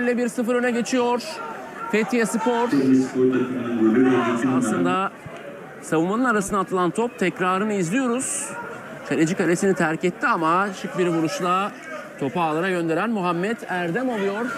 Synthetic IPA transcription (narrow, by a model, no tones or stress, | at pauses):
lʲɛbiɾsɯfɯɾønɛɟe̞t͡ʃʰijo̞ɾ̥ | fʰet̪ʰijasɯpoɾ̥ispʰoɾt̪ʰakɯmɯnɯnbølʲyɾaaaslˠɯnd̪a | savumanɯnaɾasɯnd̪at̪ʰlˠant̪ʰop̚t̪ʰɛcɾaːɾɯnɯizlʲijo̞ɾuz̥ | kʰaɾed͡ʒikalʲesinit̪ʰæɾcɛt̪ʰːiamaʃɯkbiɾvuɾuʃlˠaː | t̪ʰo̞paːlˠaɾaɟø̞nd̪e̞ɾænmuɦamːɛt̪æɾd̪ɛmolˠujo̞ɾ